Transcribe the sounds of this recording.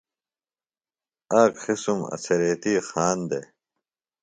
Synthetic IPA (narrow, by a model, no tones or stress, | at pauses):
aːkxisumɐ̰sɐɾeːt̪iːxaːnd̪e